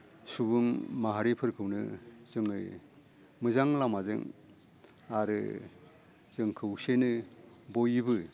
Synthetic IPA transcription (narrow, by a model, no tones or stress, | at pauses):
suβɯŋmaɦaɾipʰɯɾkʰɯwnɯzɯŋɯj | mɯzaŋlamazɯ̰ŋ | aɾɯ̰ | zɯŋkʰɯwsenɯbojibɯ